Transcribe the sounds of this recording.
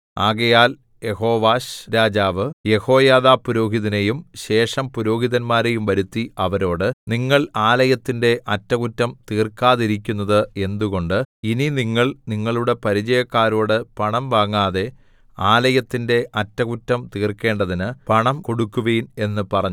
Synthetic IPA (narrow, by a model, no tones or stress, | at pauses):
aːɣɐjaːl | je̞ho̞ːʋaːɕɾaːd͡ʑaːʋɨje̞ho̞ːjaːðaːpuɾo̞ːɦiðɐnejumɕe̞ːʂɐmpuɾo̞ːɦiðɐnmaːɾe̞jumʋɐɾut̪ːiɐʋɐɾo̞ːɽɨniŋːɐɭaːlɐjɐt̪ːinde̞ʔɐtːɐkutːɐmt̪iːrkaːðiɾik̬ʲːunːɐðɨe̞nd̪uɣo̞ɳɖɨininiŋːɐɭniŋːɐɭuɽe̞pɐɾid͡ʑɐjɐkːaːɾo̞ːɽɨpɐɳɐmʋaːŋːaːðe̞ | aːlɐjɐt̪ːinde̞ʔɐtːɐkutːɐmt̪iːrke̞ːɳɖɐðinɨpɐɳɐmko̞ɽukːuʋejune̞nːɨpɐrɐɲ